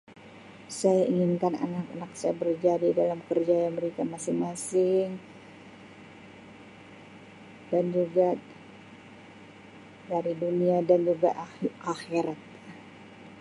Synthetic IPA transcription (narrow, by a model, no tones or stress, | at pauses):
sajaʔiŋɪnkana̰nakanak̚sajabərd͡ʒadidalamkərd͡ʒajaməɾikamasɪŋmasɪŋ | dand͡ʒuɡa | daɾiduniadand͡ʒuɡaʔaxiɾat̪̚